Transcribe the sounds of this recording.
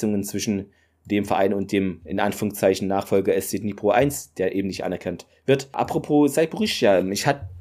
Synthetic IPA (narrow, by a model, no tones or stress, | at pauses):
ʊŋənt͡sv̥ɪʃn̩ | d̥eːmfɛɐʔa̰ɪnʊnt̚d̥eːmɪnʔa̰nfyːʁʊŋst͡saɪçn̩naːχfɔlɡɐɛst͡seːniːpʁ̥oʔaɪnsd̥eːɐʔeːbm̩nɪçtʔa̰nɛɐkʰant | v̥ɪɐtʔa̰pʁ̥opʰoːzaɪbuʁɪʃjaːmɪçhat